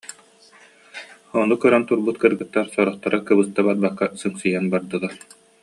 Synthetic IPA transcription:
ɔnukœɾant̪uɾbut̪kɯɾɡɯt̪ːaɾsɔɾɔχt̪aɾɯkɯbɯst̪ːabaɾbakːasɯŋsɯjanbaɾd̪ɯlˠaɾ

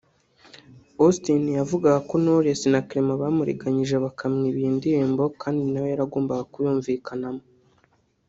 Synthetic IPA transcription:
ostinjavuɡaɡako̞noɾesinakɾemaβaːmuɾḭɡaɲiʒe̞βakʰamŋiβiːndiɾembo̞kʰaːndinawejaɾaɡoːmbaɡakujuːɱvikʰanamo

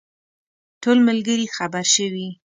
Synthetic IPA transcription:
tolməlɡəɾixabaɾʃəwi

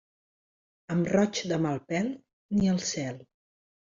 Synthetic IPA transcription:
əmrɔt͡ʃd̪əmalˠpɛlˠ | niəlˠsɛlˠ

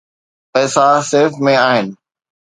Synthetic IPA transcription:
pɛːsaseːfmẽaːɦɪnɪ̆

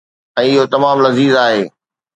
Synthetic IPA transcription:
ɛ̃ːɪɦot̪ɐmaːmlɐziːzaːɦeː

